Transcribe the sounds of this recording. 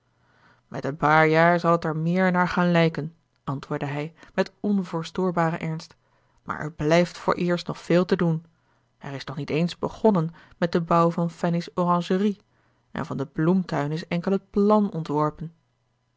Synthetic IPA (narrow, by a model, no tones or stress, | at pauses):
mʔɛ̰tənpaːɹjaːɹzɑlˠətɛɹmɪːɹnaːɹχaːnlɛjkən | ʔɑntʋʊːɹdəɦɛjmɛtɔnvʊːɹstoːɹbaːɾəʔɛɹnst | ma̰ːɹʔɛ̰ɹblɛjftfʊ̰ːɹʔɪːɹstnɔχfeːlˠtədun | ɛ̰rɪsnɔχnitejnzbəχɔnən | mɛt̚dəbɑwvɑnfɛnɪsɔrɑŋʒəri | ʔɛ̰nvɑndəblumtœɥnɪsɛŋkəlˠɦət̚plɑnɔntʋɔɹpən